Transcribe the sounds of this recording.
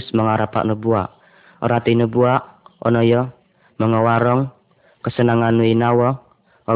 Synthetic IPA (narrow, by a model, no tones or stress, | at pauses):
sməŋaɾapa̰ʔnubuaʔ | ɔ̰ɾat̪inəbuaʔɔ̰nɔjɔ | məŋəwaɾɔŋ | kəsənaŋanːuinawɔ | ɔ